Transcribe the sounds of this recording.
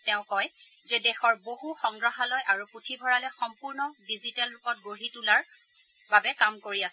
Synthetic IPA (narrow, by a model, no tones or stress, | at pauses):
tɛʊ̃kɔj | zɛdɛxɔɹboɦuxɔŋɡɹɔɦalɔjʔaɹuputʰibʱɔɹalɛxɔmpuɹnɔdizitalːʊkɔt̚ɡoɹitulaɹ | babɛkamkoɹias